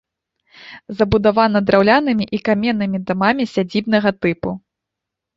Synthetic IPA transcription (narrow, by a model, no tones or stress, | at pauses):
zɐbud̪avanɐd̪ɾawlʲanɨmʲiʔikamʲɛnːɨmʲid̪amamʲisʲad͡zʲibnɐɣɐt̪ɨpu